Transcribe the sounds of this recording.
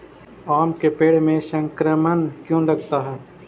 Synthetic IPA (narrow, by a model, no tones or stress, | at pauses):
aːmkepeːɽmẽʃə̃ŋkɾəmənkjõːɾɐk̚ʰt̪aɦɛː